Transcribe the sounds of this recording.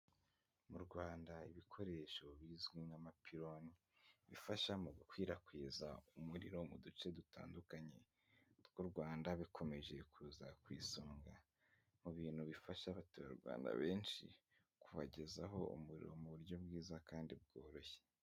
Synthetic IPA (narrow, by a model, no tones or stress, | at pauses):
muɾɡwaːndaiβikʰo̞ɾe̞ʃo̞βiːzɡwinamapʰiɾo̞ni | βifaʃamuɡukwiːɾakwiːzaumuɾiɾo̞mudut͡ʃe̞duta̰ːndukaɲe̞ | ɡ̥uɾɡwaːndaβikʰo̞me̞ʒe̞kʰuːzakwiːsoːŋɡa | muβiːn̥huβifaʃaβatuβaɾɡwa̰ːnda̰βe̞ːnʃḭ | kuβa̰ɟe̞zaɦo̞ṵmuɾḭɾo̞̰muβuɾjo̞bɡiːzakaːndib̚ɡo̞ːɾo̞çe